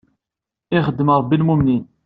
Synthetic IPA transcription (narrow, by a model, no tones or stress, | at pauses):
ɪχəd̪ːəməɾˤbːilmumnin